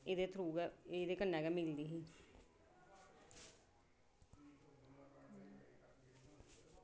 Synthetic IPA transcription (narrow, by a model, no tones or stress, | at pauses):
eːd̪eːt̪ʰɾuːɡɛeːd̪eːkənːɛːɡɛːmɪld̪iːɦĩː